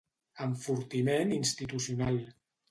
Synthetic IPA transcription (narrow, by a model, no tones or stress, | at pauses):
əɱfuɾt̪imeninst̪it̪usiunalˠ